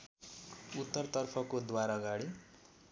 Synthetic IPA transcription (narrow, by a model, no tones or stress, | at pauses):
ut̪ːʌrt̪ʌrpʰʌkod̪waɾaʌɡaɽi